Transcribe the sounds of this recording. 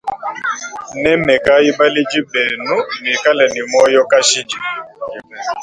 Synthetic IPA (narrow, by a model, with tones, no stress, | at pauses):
nɛ˦mɛ˨ka˦ji˦ba˦li˦d͡ʒi˦bɛ˨nu˦mi˨ka˦lɛ˨ni˨mɔ˦jɔ˦ka˦ʃi˦d͡ʒi˨